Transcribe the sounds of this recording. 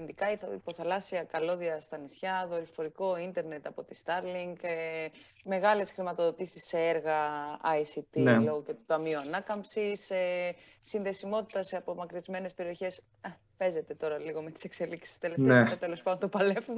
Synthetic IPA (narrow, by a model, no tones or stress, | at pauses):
nd̪ikɐiθɐipo̞θɐlɐsiɐkɐlo̞ðiɐst̪ɐnisçɐðoɾifo̞ɾiko̞int̪e̞ɾne̞t̪ɐpo̞t̪ist̪ɐɾliŋɡ | me̞ɣɐle̞sxɾimɐt̪o̞ðo̞t̪isisːe̞eɾɣɐɐjsit̪ieloɣocet̪ut̪ɐmioɐnɐkɐmpsiseː | inðe̞simo̞t̪i̥t̪ɐsɐpo̞mɐkɾizme̞ne̞spe̞ɾio̞çe̞s | e | pe̞ze̞t̪e̞t̪o̞ɾɐliɣo̞me̞t̪i̥se̞kse̞liksi̥sst̪eleft̪eemet̪elo̞spɐd̪ont̪opɐlefu